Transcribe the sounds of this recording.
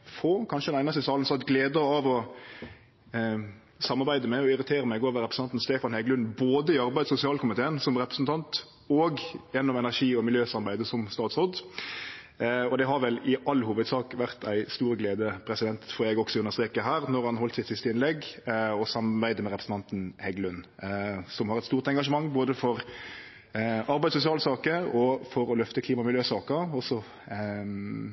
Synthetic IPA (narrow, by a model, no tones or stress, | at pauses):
fɔkʰɑnʃəd̪ɛnæɪnɑsɪsɑːln̩sɑt̪ɡleːd̪əɑʋɔ | sɑmːɑɾbæɪd̪əmɛɔɪɾɪt̪ʰeːɾəmæɪɡoːʋəɾɛpɾəsn̩ɑnt̪n̩st̪eːfɑnhɛɡəlʉnboːd̪əɪɑɾbæɪd̪sʊsɪɑːlkʊmɪt̪eːnsɔmɾɛpɾəsn̩t̪ʰɑnt̪ | ɔɡjɛnːɔmɛnæʂiːɔmɪljøːsɑɾbæɪd̪əsɔmst̪ɑːt̪sɔd̪ | ɔd̪ɛɦɑɾʋɛlɪʔɑlːhuːʋəd̪sɑːkʋæɾt̪ʰæɪst̪uːɾəɡleːd̪əpʰɾɛsɪd̪ɛnt̪fɔɾɛɡɔksɔʉnːəɾst̪ɾeːkəɦæːɾnɔɾhɑnɦɔlt̪sɪt̪sɪst̪əɪnlɛɡɔsɑmbæɪd̪əmɛɾɛpɾəsn̩t̪ɑnt̪n̩hɛɡlʉn | sɔmhɑɾɛt̪st̪uːɾt̪ɛŋɡɑʂ̬əmɑŋːboːd̪əfɔɾ | ɑɾbæɪd̪sʊs̬ɪɑːlsɑːkəɔfɔɾɔlœft̪əkʰliːmɑmɪljøːsɑːkəɔsːɔ